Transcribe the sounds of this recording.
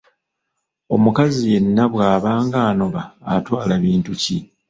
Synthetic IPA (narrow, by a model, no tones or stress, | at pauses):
o̞mukazije̞nːaβwaːβaːŋɡaːno̞βa̰ːtwaːlaβiːntuci